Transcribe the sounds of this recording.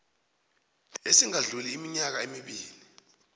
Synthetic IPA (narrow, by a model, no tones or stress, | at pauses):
esiŋaɮuliːmiɲak̬aemiɓiːli